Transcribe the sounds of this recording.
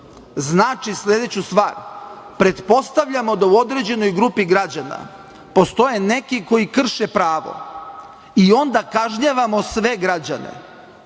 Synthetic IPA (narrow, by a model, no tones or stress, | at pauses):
znaːt͡ʃisʎʲe̞d̪e̞t͡ɕust̪ʋa̰ːɾ | pɾe̞t̪po̞st̪aʋʎamo̞d̪auo̞d̪ɾed͡ʑe̞no̞jɡɾupiɡɾad͡ʑana̰ | po̞st̪o̞je̞ne̞kiko̞jikr̩ʃepɾaːʋo̰ | io̞nd̪akaʒɲaʋamosʋe̞ɡɾad͡ʑane̞̰